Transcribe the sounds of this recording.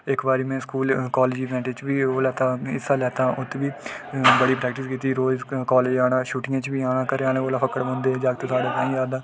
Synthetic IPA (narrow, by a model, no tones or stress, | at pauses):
ɪkbaːɾiːmɛ̃ːskuːlkaːleːd͡ʒiːʋɛ̃ːɳʈet͡ʃʋiːoːlɛːt̪aːɪsaːlɛːt̪aːʔʊt̪ʰːʋiːbəɽiːpɾɛːk̚ʈɪskiːt̪iːɾoːd͡ʒkaːleːd͡ʒaːɽ̃ãːʃuːʈɪjãːt͡ʃʋiːaːñãːkəɾeaːnẽːoːlaːpʰəkəɽbõːnd̪eːd͡ʒaːɡt̪õːsaːɖaːk̪aːĩːɾaːd̪aː